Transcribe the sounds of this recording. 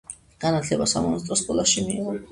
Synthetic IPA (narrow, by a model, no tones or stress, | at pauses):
ɡ̥anat̪ʰlɛbasa̰mɔnast̪ʼɾɔskʼɔlaʃimḭːʁɔn